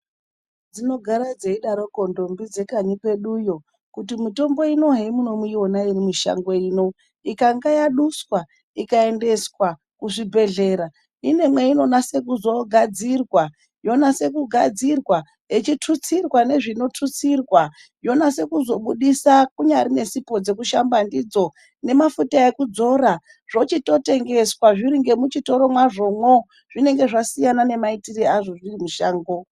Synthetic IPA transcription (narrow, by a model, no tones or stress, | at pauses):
d͡zino̞ɡʱaɾad͡zeiɗaɾo̞ko̞ndo̞mbid͡ze̞kaɲikwe̞ɗujo̞ | kut̬imito̞mbo̞ino̞ɦe̞muno̞muonairimuʃa̰ŋɡoiːno̞ | ikaŋɡajaɗuswa | ikae̞nde̞swa | kuʐibʱe̞ɮe̞ːɾa | ine̞mwe̞ino̞nase̞kuzo̞ɡʱad͡zirwa | jo̞nase̞kuɡʱad͡zirwa | et͡ʃitʰut͡sirwane̞ʐino̞tʰut͡sirwa | jo̞nase̞kuzo̞ɓuɗisakuɲaɾine̞sipo̞d͡ze̞kuʃambandid͡zo̞ | ne̞mafutaekud͡zo̞ɾa | ʐ̥o̞t͡ʃito̞te̞ŋɡe̞swaʐiɾiŋɡe̞mut͡ʃito̞ɾo̞mwaʐo̞mwo̞ | ʐ̥ine̞ŋɡe̞ʐasijanane̞maitiriaʐoʐiimuʃaːŋɡo